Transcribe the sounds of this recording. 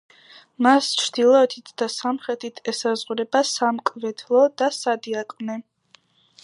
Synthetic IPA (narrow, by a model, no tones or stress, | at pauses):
mast͡ʃʰɾd̪ilˠɔɛt̪ʰit̪ʰd̪̥asamχɾɛt̪ʰit̪ʰɛsazʁuɾɛbasamkʼvɛt̪ʰlˠɔd̪asad̪iakʼvnɛ